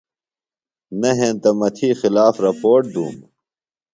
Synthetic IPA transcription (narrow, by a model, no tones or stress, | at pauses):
nɐɦẽːnt̪ɐmɐt̪ʰiːxilaːfɾɐpoːɾʈ̚d̪ṵːm